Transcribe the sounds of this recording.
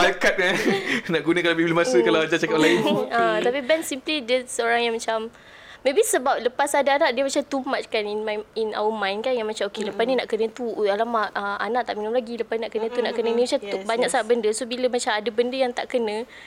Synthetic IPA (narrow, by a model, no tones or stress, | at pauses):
pakat̪̚kanaʔɡunə̃kalabibilumasəkalaad͡ʒat͡ʃakap̚lainət̪apibɛnsimplidəsəoɾaŋjaŋmat͡ʃamː | ebisəbat̪̚ləpasadaanaʔdiəmat͡ʃamt̪umatkaninmina̰wumãjnkanjaŋmat͡ʃamokeləpasninaʔkənə̃t̪ualamaʔəanaʔ̚t̪aʔminumlaɡiləpasninaʔkənə̃t̪unaʔkənənisat̪ubaɲak̚saŋaʔ̚bəndəsobiləmat͡ʃamadəbəndəjaŋt̪a̰ʔkənə̃